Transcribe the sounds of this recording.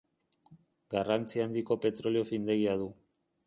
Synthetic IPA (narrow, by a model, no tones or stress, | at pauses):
ɡarant͡siand̪iko̞pe̞t̪ɾo̞lio̞find̪e̞ɣiaðu